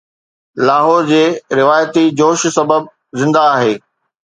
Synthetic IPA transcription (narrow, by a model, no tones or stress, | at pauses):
laːɦoːɾd͡ʑeːɾɪʋaːjət̪id͡ʑoːʃsɐbəb̚ | zɪ̃nd̪aːɦeː